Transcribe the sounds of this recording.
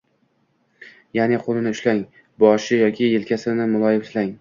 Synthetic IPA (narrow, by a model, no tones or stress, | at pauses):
janɪqʰolˠɪnɪʊʃlaŋ | bɒʃɪjɒkʲʰɪelkʲasɪnɪmʊlˠɒjɪfslaŋ